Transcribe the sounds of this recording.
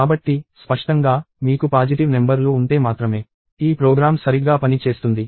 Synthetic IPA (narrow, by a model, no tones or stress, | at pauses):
aːbɐʈːispɐʂʈɐŋɡaː | miːkupaːd͡ʒiʈiʋnembɐɾluːuɳʈ̪eːmaːt̪ɾɐme̞ː | iːpɾoːɡɾaːmsɐɾiɡaːpɐnit͡ʃe̞ːst̪und̪i